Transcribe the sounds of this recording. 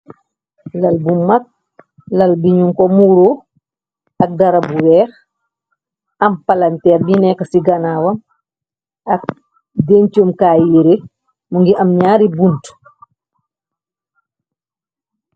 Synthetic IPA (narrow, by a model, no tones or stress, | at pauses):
lɐlbumak̚ | lɐlbiɲuŋkɔmuɾo | ɐk̚daɾabuwɛx | ɐmpalantɛːɾbinɛkɐsiɡanawɐm | ak̚ | dent͡ʃomkajiɾe | muŋɡiʔɐmɲaːɾibunt